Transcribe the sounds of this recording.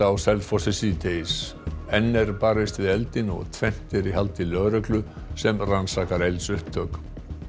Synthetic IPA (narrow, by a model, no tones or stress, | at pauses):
awsɛlfɔsɛsit̪ejs | ɛnːɛɾpaːɾɪst̪vɪðɛlt̪ɪnɔ̰ɣt̪ʰvɛn̥t̪ɪɾiɦalt̪ɪlœɣɾœklʏ | sɛmransakaɾejlsʏhp̚t̪ʰœːk